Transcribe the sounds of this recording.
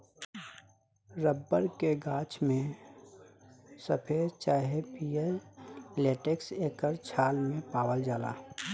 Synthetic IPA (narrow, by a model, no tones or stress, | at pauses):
ɾəbːəɾkeɡaːt͡ʃmẽ | səpʰet͡ʃaːɦepie | leːʈekseːkəɾt͡ʃʰaːlmẽpaːwəld͡ʒaːla̰ː